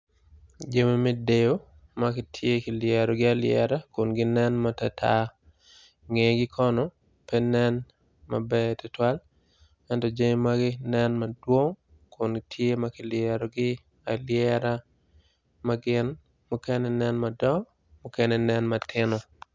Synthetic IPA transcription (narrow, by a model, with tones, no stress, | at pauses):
d͡ʒe˦me˦me˦de˨jo˦ | makɪ˦tʰje˦kɪ˨ljɛ˨ɾɔɡɪ˦alɪɛ˨ɾa˦ko˨nɡɪ˦nɛ˦nmatatʰa | ŋe˨ɡɪ˦kʰɔ˦nɔ˨ | pɛ˦nɛ˦n | ma̰bɛ˦tʊ˨twa˦l | ɛ˦ntɔd͡ʒe˦ɲi˦maɡɪ˦nɛ˦nmadwo˦ŋ | kʰo˨ntʰje˦makɪ˨ljɛɾɔ˨ɡɪ˦ | alɪjɛ˦ɾa | maɡɪ˦n | mukɛ˦nɛnɛ˦nmadɔ˦ | mʊ˦kɛ˦nɛnɛ˦nmatʰɪ˦nɔ˦